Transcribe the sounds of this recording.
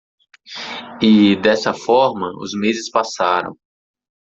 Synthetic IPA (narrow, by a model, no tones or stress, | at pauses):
ɪd̪ɛsɐfɔɾmɐʊ̰zmezɪspasaɾɐ̰̃w̃